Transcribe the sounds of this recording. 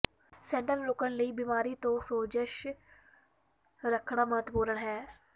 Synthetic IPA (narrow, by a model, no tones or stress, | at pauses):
sɛːɳʈəlɾʊkəɳləiːbiːmaːɾiːt̪õːsoːd͡ʒəʃ | ɾəkʰɳaːməɦət̪buːɾəɳɦɛː